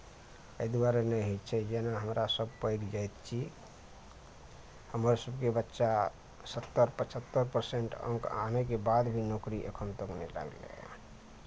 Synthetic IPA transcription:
əɦd̪uaɾenɛɦet͡ʃʰɛd͡ʒenaɦəmɾasəb̚pəjɡd͡ʒajt̪t͡ʃʰi | həməɾsəbkebətːʃa | sət̪ːəɾpət͡ʃʰət̪ːəɾpəɾseɳʈə̰̃ŋka̰nekebad̪bʱinokɾiʔḛkʰənt̪əknɛla̰ɡlḛ

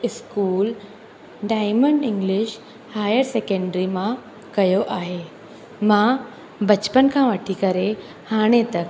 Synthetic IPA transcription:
iskuːl | ɖajməɳɖiŋɡliɕ | hajəɾsekəɳɖɾimã | kəjoʔaɦe | mã | bət͡ɕpənkʰãʋaʈʰikəɾe | haɽ̃et̪ək

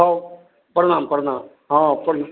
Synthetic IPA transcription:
aː | pɐɾnaːmpɐɾnaːm | ɦãːpɐɾ

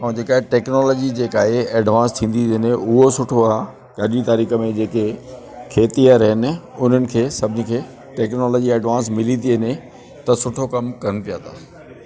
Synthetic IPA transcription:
ãːd͡ʑeːkaːɦeʈɛːknɔːlɔːd͡ʑid͡ʑeːkaːɦeeːɖʋãːnst̪ʰĩːn̆d̪iɪneʊɦosʊʈʰo | kəɗit̪aɾiːxə̆mẽd͡ʑeːke | kʰeːt̪ijəɾɦɪnɪ̆ʊn̤ənɪ̆kʰeːsɐbʱɪnikʰeː | ʈɛːknɔːlɔːd͡ʑiɛːɖʋãːnsmɪlĩnd̪iɦɐne | t̪ɐsʊʈʰokɐmkɐɾənɪ̆pijat̪ʰaː

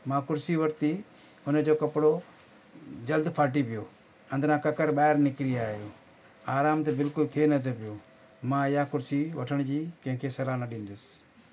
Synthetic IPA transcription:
mãːkʊɾsiːʋəɾt̪iː | ʊnd͡ʒoːkɐpɽoː | d͡ʒəld̪pʰaːʈiːpɪjoː | ə̃nd̪ɾãːkɐkəɾɓaːɦɪɾnɪkɾijaːjoː | aːɾaːmt̪ebɪlkʊlt̪ʰeːnət̪ʰepɪjoː | mãːɪjaːkʊɾsiːʋəʈʰəɳ̃d͡ʒiːkə̃ɦɪ̃kʰeːsɐlaːnəɗĩːnd̪ɪs

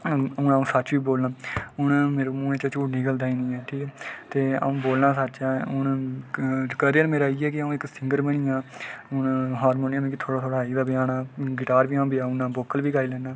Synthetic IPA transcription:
ʊnaũːsət͡ʃʋiːboːlnaːʊɳmeːɾoːmũːẽːt͡ʃət͡ʃuːʈniːkəld̪aːiːnĩːɛːʈʰiːkɛːt̪eːə̰ũːboːlnaːsət͡ʃɛːʊɳ | kəɾɪjəɾmeːɾaːiːɛːkɪəũːɪksɪŋɡəɾbəɳ̃iːãːʊnɦaːɾmoːnaːmẽːkit̪ʰoːɽaːt̪ʰoːɽaːiːd̪aːbɪjaːnaːɡɪʈaːɾʋiːãːbiaːʊnãːboːkəlʋiːɡaːiːlɛːnaː

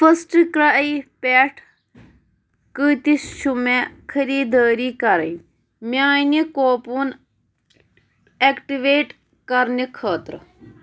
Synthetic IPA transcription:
fʰəsʈikɾɐʔipeːʈʰ | kɨt̪isʃʰumekʰɐɾiːd̪əːɾiːkɐɾɐ̰ | mʲjaːnikoːpun | ekʈiʋeːʈ | kɐɾnikʰəːt̪ɾ

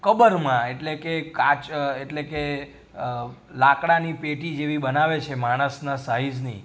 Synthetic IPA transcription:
kəbəɾmãeʈlekekat͡ʃeʈleke | lakɽanipeʈid͡ʒeʋibənaʋet͡ʃʰemaɽ̃əsnasaɦid͡ʒnḭ

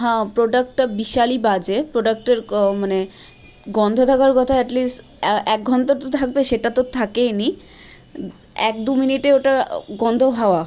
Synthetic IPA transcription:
ɦãpɾoɖak̚ʈʈabiʃalibad͡ʑepɾoɖak̚ʈeɾmane | ɡɔnd̪ʱot̪ʰakaɾkɔt̪ʰaɛʈlisʈ | ɛk̚ɡʱɔnt̪oɾt̪ot̪ʰak̚beʃeʈat̪ot̪ʰakeni | ɛk̚d̪uminiʈeoʈaɡɔnd̪ʱoɦaoa

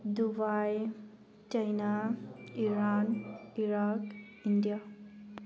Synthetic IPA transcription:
d̪ubaj | t͡ʃajnaiɾaːniɾak | indija

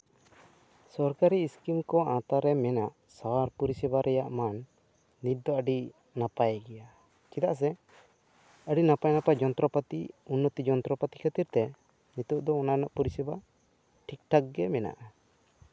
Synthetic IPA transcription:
sɔɾkaɾiːskimkɔãt̪aɾɛmɛnaʔ | sawaɾpuɾisɛbaɾɛjaʔmanː | it̪̚d̪ɔəɖi | napajɡɛja | kid̪aʔs̬ɛ | əɖinapajnapad͡ʒɔnt̪ɾɔpət̪iunːɔt̪id͡ʒɔnt̪ɾɔpət̪i̥kʰət̪iɾt̪ɛ | nit̪uʔd̪ɔɔnanaʔpuɾisɛba | ʈʰik̚ʈʰak̚ɡɛmɛna̰ʔa

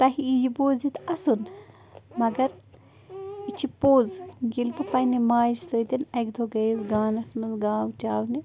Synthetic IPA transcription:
t̪ɐɦiijiboːzit̪ɐsun | mɐɡɐɾ | it͡ʃʰipoːzɡilpɨpɐnimaːʃsəːt̪ʲinɐkd̪ʱoɡɐizɡaːnɐsmɐzɡaːwt͡ʃaːwni

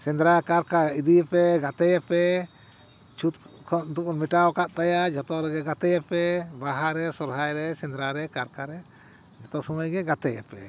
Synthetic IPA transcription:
sɛ̃nd̪ɾakaɾkaid̪ipɛɡat̪ɛjɛpɛ | t͡ʃʰut̪̚kʰɔʔd̪upɔnmiʈawkaʔ̪̚t̪ajad͡ʒɔt̪ɔɾɛɡɛɡat̪ɛjɛpɛbaɦaɾɛsɔɾɦajɾɛsɛnd̪ɾaɾɛkaɾkaɾɛ | d͡ʒɔt̪ɔsɔmajɡɛɡat̪ɛjɛpɛ

